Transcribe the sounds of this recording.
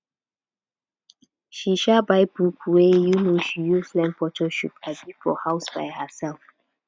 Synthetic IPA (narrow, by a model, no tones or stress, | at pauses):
ʃiʃabaɪbɹukwejunoʃijuslɛ̃mpɔt͡ʃɔʃḭpabifɔ̰haʊsba̰ɪhəsɛlf